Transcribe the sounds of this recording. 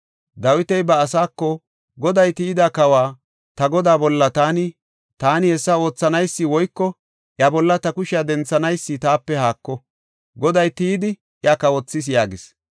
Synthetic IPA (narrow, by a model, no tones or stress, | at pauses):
d̪ɐwɪt̪ɛjbɐːsaːkːɔ | ɡɔd̪ɐjt̪iːd̪akɐwaː | t̪ɐɡɔd̪aːbɔlːɐt̪aːnɪ | t̪aːnɪhɛsːɐo̞ːt͡sːɐnɐjsːɪwɔjkːɔ | ʔjɐbɔlːɐt̪ɐkʊʃɪjɐd̪ɛnt͡sːɐnɐjsːɪt̪aːpːɛhaːkːɔ | ɡɔd̪ɐjt̪iːd̪ɪ | ʔjɐkɐwɔt͡sːɪs̬jaːɡɪs